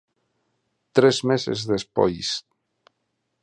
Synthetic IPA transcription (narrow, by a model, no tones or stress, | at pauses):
t̪ɾɛzmezḛzðespɔ̰js